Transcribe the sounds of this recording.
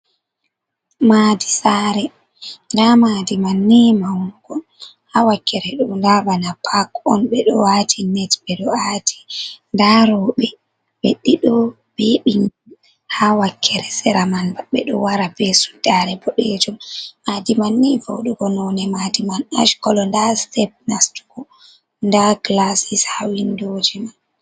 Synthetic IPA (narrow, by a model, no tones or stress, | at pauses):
maːdisaɾɛ | ndamadimanːimawuɡ̥ɔ | hawakːɛɾɛɗumndabanapʰakɔnɓɛɗɔwatʰinɛtbɛɗɔatʰi̥ndaɾɔɓɛ | weɗːiɗɔ | beɓiŋɡun | hawakʰːɛɾɛsɛɾamanbaɓɛɗɔ̰waɾabɛsu̥daɾɛbɔɗed͡ʒummadimanːivo̰wɗuɡɔnɔnɛmadimana̰ʃkɔlɔndastɛp̚nastu̥ɡɔ | ndaklasishawindoːd͡ʒiman